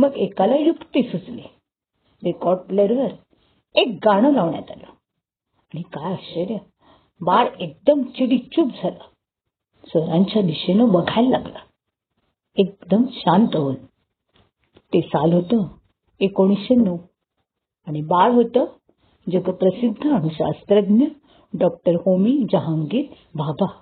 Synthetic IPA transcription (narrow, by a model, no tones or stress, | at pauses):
məɡekalajukt̪isut͡sle | ɾekɔɾʈleɾʋəɾ | ek̚ɡaɽ̃əlaʋɳja̰t̪alə | aɽ̃ikajəɕəɾjə | baɽek̚d̪əmt͡ɕiɽit͡ɕuːp̚d͡zʱalə | səɾãɲt͡ɕjad̪iɕenəbəɡʱajlːa̰ɡlə̰ | ek̚d̪əmɕãnt̪əʋən | t̪esalɦot̪ə | ekoɽ̃isɕenːəw | aɽ̃ibaɽɦot̪ə | d͡ʑəɡəpɾəsid̪ʱːəaɽ̃iɕa̰st̪ɾəd̪njə | ɖɔk̚ʈəɾhomid͡ʑəɦaŋɡe | bʱabʱa